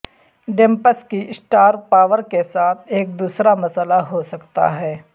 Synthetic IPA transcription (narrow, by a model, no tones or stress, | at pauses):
ɖẽmpəskisʈaːɾpaːʋəɾkesaːt̪ʰeːk̚d̪uːsɾamɐsəlaɦosɐkt̪a̰ɦɛː